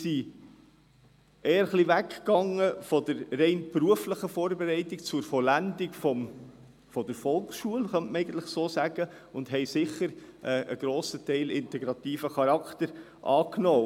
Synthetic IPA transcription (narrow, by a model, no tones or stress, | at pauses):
si | ɛːəɾχlivækkɑŋːəfɔd̪əɾːɛɪnpɾuəfləχəfɔːɾbɛɾɛɪt̪ik̚t͡sʊɾfɔlændikfɔm | fɔd̥̪əɾfɔlksʃuəlχœntməɛɪɡən̩t̪ləχsoːsæɡ̥ə | ʊndɦɛɪsɪχəɾʔɛʔəɡ̥ɾoːsətɛɪlɪnt̪ɛɡɾɑt̪iːfəχɑɾɑkt̪əɾ | ʔɑːknoː